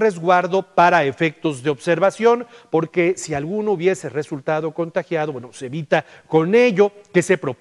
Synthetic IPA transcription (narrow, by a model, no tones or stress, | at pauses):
re̞zɣwaɾðo̞paɾaefe̞k̚t̪o̞zðeo̞βse̞ɾβasjo̞npo̞ɾke̞sialɣunouβje̞se̞re̞sult̪aðo̞ko̞nt̪axjaðo̞bwenoseeβit̪a | ko̞ne̞ʝo̞ke̞se̞pɾo̞p